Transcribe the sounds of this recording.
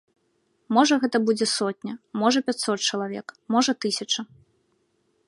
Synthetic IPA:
mɔʐɐɣɛt̪ɐbud͡zʲɛsɔt̪ʲnʲɐmɔʐɐpʲat͡sʲsɔt̪̚t͡ʂɐlˠavʲɛ̰kmɔʐɐt̪ɨsʲɐt͡ʂɐ

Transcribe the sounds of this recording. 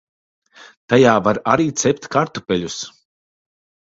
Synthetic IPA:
t̪ajaːvaɾaɾiːt̪sɛp̚ʲt̪ʲkaɾt̪upʲɛʎʲus

